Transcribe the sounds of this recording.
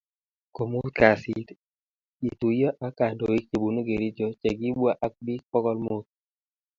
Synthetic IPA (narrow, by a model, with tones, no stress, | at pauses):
ko˨mu˦t̪̚ka˨si˨t | i˨t̪u˨jɔ˦ʔa˦ka˨ndo˨wi˦kt͡ʃe˨bu˨no˦ɡe˨ɾi˦d͡ʒɔ˨t͡ʃɛ˨ɡi˦bwa˦ʔa˦k̚bi˦k̚pɔ˦kɔ˦lmo˦t̪̚